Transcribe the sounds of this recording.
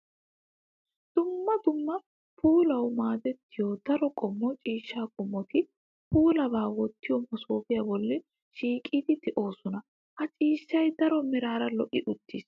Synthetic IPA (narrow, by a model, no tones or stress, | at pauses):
d̪̥ʊmːɐd̪ʊmːɐ | pʰuːlɐwmaːd̪ɛt̪ːɪjod̪̥ɐɾɔkʼɔmːɔt͡ʃʼiːʃːaːkʼɔmːɔt̪ɪ | puːlɐbaːwɔt̪ːɪjɔmɔsoːfɪjabɔlːɛ | ʃiːkʼiːd̪ɪd̪ɪʔo̞ːsɔnɐ | hɐt͡ʃʼiːʃːɐjd̪ɐɾɔmɪɾaːɾɐlɔʔɪʔʊt̪ːiːs